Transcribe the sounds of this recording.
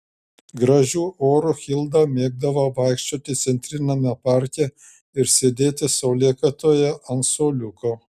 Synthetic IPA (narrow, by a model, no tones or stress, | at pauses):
ɡɾɐʒʲuːʔoːɾʊxʲɪlˠd̪ɑmʲeːɡ̚d̪ɐʋoʋɐɪkʃʲt͡ʃʲoːt̪ʲɪt̪sʲɛnʲt̪ʲɾʲɪnʲɐmʲɛpɑˑɾʲkʲɛ | ɪɾsʲeːd̪ʲeːt̪ʲɪsɐʊlʲiɛkɐt̪oːjɛɐnt̪soːlʲʊkoː